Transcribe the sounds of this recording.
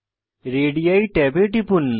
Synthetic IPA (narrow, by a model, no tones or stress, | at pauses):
ɾeːɽijɐiʈebeʈipun